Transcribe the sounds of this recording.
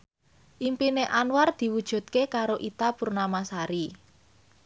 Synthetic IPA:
ʔimpineʔanward̪̥i̤wud̥ʒ̥ṳt̪̚kekaɾoʔit̪apurnamasaɾi

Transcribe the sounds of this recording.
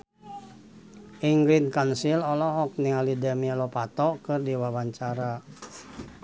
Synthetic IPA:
ʔiŋɡɾinkansilɔlɔɦɔk̚niŋalidɛmialɔpat̪ɔkɨrdiwawaɲt͡ʃaɾa

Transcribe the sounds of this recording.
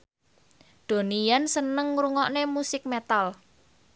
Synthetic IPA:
d̪̥o̤nijansənəŋɾuŋɔʔnemusɪk̚met̪al

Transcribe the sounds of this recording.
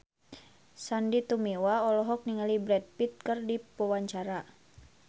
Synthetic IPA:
sandit̪umiwaɔlɔɦɔk̚niŋalibɾɛt̚pit̪̚kɨrdipɔwaɲt͡ʃaɾa

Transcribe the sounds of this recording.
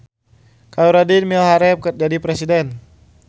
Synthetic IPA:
kauɾadinmilhaɾɛp̚kər̚d͡ʒadipɾɛsidɛn

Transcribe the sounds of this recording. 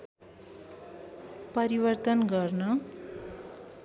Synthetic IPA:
pʌɾibʌrt̪ʌnɡʌrnʌ

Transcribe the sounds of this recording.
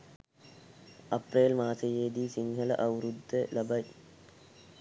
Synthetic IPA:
ɐpːreːlmaːsɐjeːd̪isiŋɡʰɐlɐ̰ʔɐwɾud̪ːelɐbɐj

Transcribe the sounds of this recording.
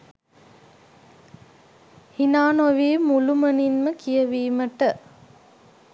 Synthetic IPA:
hinaːnoʋiːmuluməninməkijɐʋiːməʈə

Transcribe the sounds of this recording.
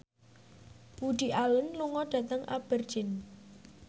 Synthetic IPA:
buɖ̥i̤ʔawənluŋɔɖ̥a̤t̪əŋʔa̰b̥ərd̥ʒ̥ɪn

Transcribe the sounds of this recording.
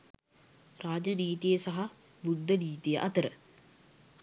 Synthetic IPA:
raːd͡ʒəniːt̪ijəsaɦa | bud̪ːəniːt̪ijəʔɐt̪əɾə

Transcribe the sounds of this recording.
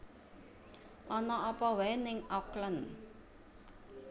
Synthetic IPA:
ʔɔnɔʔɔpɔwɛnɪŋɔklən

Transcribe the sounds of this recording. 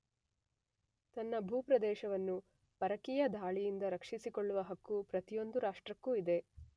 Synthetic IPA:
t̪ɐnːɐbʱuːpɾɐd̪ɛːʃɐʋɐnːu | pɐɾɐkijɐd̪ʱaːɭijind̪ɐɾɐkʂisikoɭːuʋɐɦɐkːupɾɐt̪ijo̞nd̪uɾaːʂʈɾɐkːuːid̪e̞

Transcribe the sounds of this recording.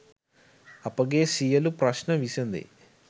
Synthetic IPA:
ɐpɐɡeːsijɐlupɾɐʃnɐʋisind̪ḭ

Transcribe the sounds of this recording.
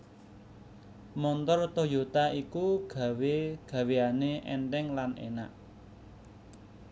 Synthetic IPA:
mɔnt̪ɔrt̪ɔjot̪aikuɡ̥ä̤weɡ̥ä̤weaneʔɛ̰nʈ̪ɛŋlanḛna̰ʔ

